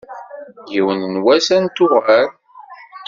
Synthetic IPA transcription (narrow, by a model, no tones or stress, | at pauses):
jiwənnwæsænt̪ʊʁæɾ